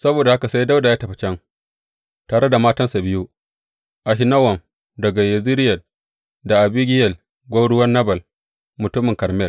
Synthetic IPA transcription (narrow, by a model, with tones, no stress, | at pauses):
sɐ˦boː˨da˨ha˦ka˨sa˦jda˦wda˨jaː˦tɐ˨ɸɐ˨t͡ʃɛ˦ŋ | taː˨ɽe˦da˨maː˦tɐ˦nsa˨bɪ˦ju˦ʔ | ʔa˨ɦi˦nɐ˦wɐ˨m | dɐ˨ɡa˨jɐ˨zi˦ɾɪ˦jɐ˨l | da˨ʔa˨biː˦ɡʲɪ˦jɐ˨l | ɡʷa˦ɽʊ˦wɐ˦nːɐ˦bɐ˨l | mʊ˨tʊ˦mːɪ˨kɐ˨ɾmɛ˦˨l